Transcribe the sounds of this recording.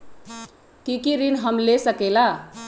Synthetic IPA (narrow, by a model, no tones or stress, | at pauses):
kikiɾinɦʌmlesʌkela